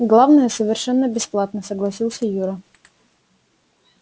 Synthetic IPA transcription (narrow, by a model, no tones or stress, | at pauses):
ɡlˠavnəjəsəvʲɪrʂɛnːəbʲɪsplˠat̪nəsəɡlˠɐsʲilˠsʲəjuɾə